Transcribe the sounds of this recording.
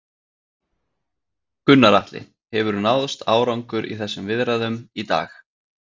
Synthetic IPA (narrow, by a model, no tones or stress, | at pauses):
kʏnːaɾaht̪lɪ̰ | hɛvʏɾnawðst̪aːwɾawŋkʏɾʔḭθɛsːʏmvɪðɾaðʏmit̪a̰ːx